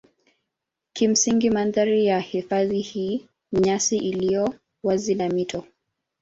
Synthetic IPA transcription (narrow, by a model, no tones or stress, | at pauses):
kim̩siŋɡimanðaɾijahifaðihiː | ɲasiʔilijɔ | wazinamitʰɔ